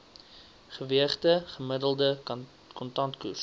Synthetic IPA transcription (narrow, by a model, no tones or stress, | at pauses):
χəviəχtəχəmədəlˠdə | kɔntɐntkṵs